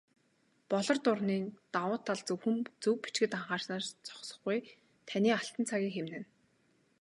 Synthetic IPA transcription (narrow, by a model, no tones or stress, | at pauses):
pɔɮɞ̆rt̪ʊrniːt̪awʊːt̪ʰːaɮt͡sɵwxɘ̆mt͡sɵwpit͡ɕɡɘ̆t̪aɴχaːrʃnaːrt͡sɔ̥χsɞ̥̆χɡuj | t̪ʰaniːaɬt̪ə̆nt͡sʰaɣʲiːŋxemnɘ̆n